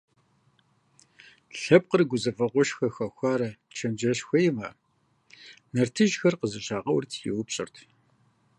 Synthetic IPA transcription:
ɬɐp̚qərɡʷʊzɐvɐqʷʊʃxɐxʷɐxʷaːɾɐt͡ʃʰɐmd͡ʒɐɕxʷɐjɪma̰ː | nɐrtʰɨʒxɐrqəzɨɕʼaːqɐwrtʰjɪ̰wʊpɕʼɪ̰rtʰ

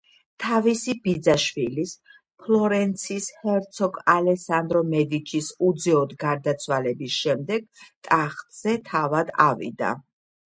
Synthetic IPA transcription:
t̪ʰavisibid̪zaʃwilis | pʰlˠɔɾɛnt̪sʰishɛɾt̪sʰɔkalɛsand̪ɾɔmɛd̪it͡ʃʰisud̪zɛɔd̪ɡaɾd̪at̪sʰwalɛbisʃɛmd̪ɛɡ̥t̪ʼaχt̪ʼz̥ɛt̪ʰavad̪a̰vḭd̪a̰

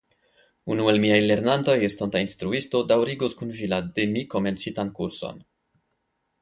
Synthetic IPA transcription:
unue̞lmiajle̞ɾnanto̞jest̪ontainst̪ɾuisto̞dawɾiɡuskunvilademiko̞me̞nt͡sitankuɾso̰n

